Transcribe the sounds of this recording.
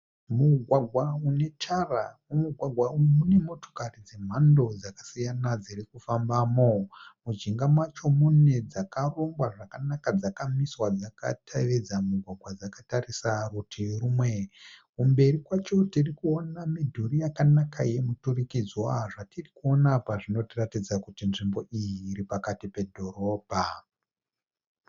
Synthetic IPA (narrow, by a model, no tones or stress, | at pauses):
muɡʱwaɡʱwaune̞t͡ʃara | umuɡʱwaɡʱwaumune̞mo̞to̥karid͡ze̞m̤ando̞d͡zakasijanad͡zirikufambamomud͡ʒiŋɡamwat͡ʃo̞mune̞d͡zakaro̞ŋɡwaʐakanakad͡zakamiswad͡zaka̰tʰaʋed͡zamuɡʱwaɡʱwad͡zakatarisarutʰirumwe̞kumbe̞rikwat͡ʃo̞tirikuonamidʱuɾijakanakʰaje̞muturikid͡zoaaʐatirikuo̞napaʐino̞tiratid͡zakutinʐimbo̞ʔijiːɾipakatipe̞dʱo̞ɾo̞ːbʱa